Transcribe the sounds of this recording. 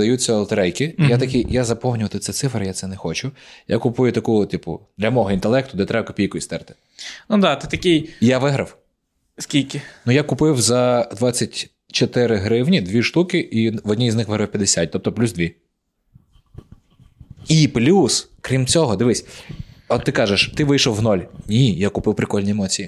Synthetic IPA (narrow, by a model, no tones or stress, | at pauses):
d̪ɐjut͡sʲːɐɐlˠt̪ɐɾɛjkɪjat̪ɐkʲijazɐpɔwnʲʊʋɐt̪ɪt̪sɛt̪sɪfrɾɪjat̪sɛnɛxɔt͡ʃʊja̰kʊpujʊt̪ɐkut̪ipʊ̰d̪lʲɐmɔɦɔint̪elˠɛkt̪ʊd̪ɛt̪ɾɛbɐkɔpʲijkʊist̪ɛɾt̪ɪ̥ | nud̪ɑt̪ɪt̪ɐkʲɪjjaʋɪɦɾɐw | skʲilʲkʲɪnujakʊpɪwzɐd̪ʋat͡sʲːɐtʲ | t͡ʃɔt̪ɪɾɪɦɾɪwnʲid̪ʋʲiʃt̪ukɪʔiʋɔdʲnʲiznɪxʋɪɦɾɐwpʲjɐd̪esʲat̚ʲt̪ɔp̚t̪ɔplʲuzd̪ʋʲi | iplʲuskɾʲimt͡sʲɔɦɔd̪ɪʋɪsʲɔt̪ːɪkɑʒeʃt̪ɪʋɪjʃɔwɦnɔlʲnʲijakʊpɪwpɾɪkɔlʲnʲiemɔt͡sʲiji